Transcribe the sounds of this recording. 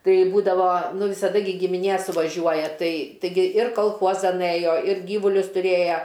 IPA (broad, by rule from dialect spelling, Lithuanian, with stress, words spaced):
ˈtɐɪ ˈbuːdɐʋoː ˈnʊ ʋʲɪsɐˈdɐ ɡʲɪ ɡʲɪmʲɪˈnʲeː sʊʋɐˈʒʲuɔjɛ ˈtɐɪ tɐɪˈɡʲɪ ɪr kɐlˠˈxuɔzɐn ˈɘjoː ɪr ˈɡʲiːʋʊlʲʊs tʊˈrʲeːjɛ